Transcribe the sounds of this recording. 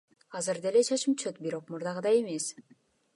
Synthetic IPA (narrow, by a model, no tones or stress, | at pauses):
ɑzɨɾd̪ele̞t͡ʃʰɑt͡ʃɯmt͡ʃøt̪biɾo̞q̚muɾd̪ɑʁɯd̪ɑe̞me̞s